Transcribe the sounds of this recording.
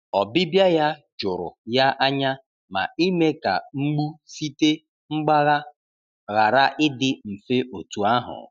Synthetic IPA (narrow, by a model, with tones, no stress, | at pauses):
ɔ˨bɪ˦bja˦ja˦d͡ʒʊ˨ɾʊ̰˨ja˦ʔa˦ɲa˦ | ma̰˨i˦me˦ka̰˨ŋ͡m̩˦ɡ͡bu˦si˦te˦ | ŋ͡m̩˦ɡ͡ba˦ɣa˦ | ɣa˨ɾa˦ʔɪ˦dɪ˨m̩˨fe˦ʔo˨tu˨a˦ɦʊ̰˨